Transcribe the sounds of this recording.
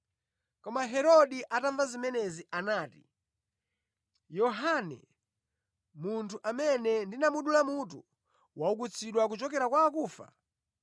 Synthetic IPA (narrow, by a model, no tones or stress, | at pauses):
kɔmaɦɛɾɔɗiʔataɱvazimɛnɛziʔanaːti̥ | jɔɦanɛ̰ | muntʰuʔamɛnɛndinamuɗulamutu | wauk̬ut͡sʰiɗwak̬ut͡ʃɔkɛɾakwawakuːfa̰